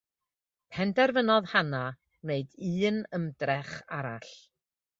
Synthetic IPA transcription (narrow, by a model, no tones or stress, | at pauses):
pʰɛndɛrvənɔðhana | neɨdɨːnəmdrɛχaɾaɬ